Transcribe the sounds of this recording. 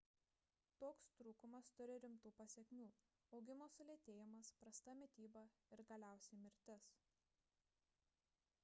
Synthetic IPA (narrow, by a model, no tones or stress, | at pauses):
t̪oːkst̪ɾuːkʊmɐst̪ʊɾʲɪɾʲɪmt̪uːpɐsʲɛkʲmʲuː | ɒʊɡʲɪmoːsʊlʲeːt̪ʲeːjɪmɐspɾɐst̪ɐmʲɛt̪ʲiːbɐɪɾɡɐlʲæˑʊsʲɛɪmʲɪɾʲt̪ʲɪs